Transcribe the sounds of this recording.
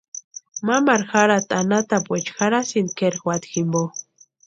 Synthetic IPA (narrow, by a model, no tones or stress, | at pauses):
mamaɾxaɾat̪anat̪apwet͡ʃxaɾasind̪keɾxwat̪ximbo